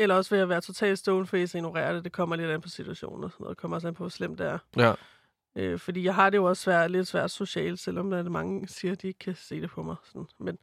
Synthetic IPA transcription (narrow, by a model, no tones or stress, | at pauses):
elɐɒ̽sʋe̝jɑʋæːɐt͡sʰo̝t͡sʰɛ̰ːld̥sd̥ɔʊn̩fɒḭsɐenoʁɛ̰ːɐd̥e̝d̥e̝kʰɒ̽m̰ɐle̝d̥enpʰɒ̽sit͡sʰuæɕo̰ːn̩ɒsɔno̰ðˠd̥ekʰɒ̽m̰ɐɒs̬enpʰɒ̽ʋɒslem̰d̥eɐ | øfɒ̽dḭːjɑ̈ɪɦɑ̈d̥e̝jo̝ɒ̽ssʋæɐ̰d̥le̝d̥sʋæɐ̰d̥so̝ɕɛ̰ːld̥sel̰ɒ̽md̥æɐd̥emɑ̈ŋəsiːɐd̥ie̝ɡ̥̚kʰæse̝̰ːd̥e̝pʰɒ̽mɑ̈ɪsɒ̽n̩men